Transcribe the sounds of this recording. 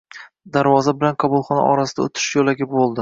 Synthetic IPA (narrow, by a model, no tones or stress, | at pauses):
d̪aɾvɒzabɪlanqʰɑbulˠχɒna̰ʔɒɾasɪd̪aot̪ʰɪ̥ʃjolaɡʲɪbolˠd̪ɪ